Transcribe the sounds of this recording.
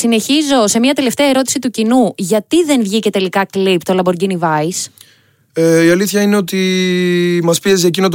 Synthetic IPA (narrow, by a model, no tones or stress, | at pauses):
sine̞çizo̞se̞miɐt̪e̞le̞ft̪eɐe̞ɾo̞t̪i̥sit̪ucinuʝɐt̪iðe̞nvʝice̞t̪e̞likɐklipt̪olɐbo̞ɾɟinivɐis | eiɐliθçɐineo̞t̪i | mɐspiezec̬inot̪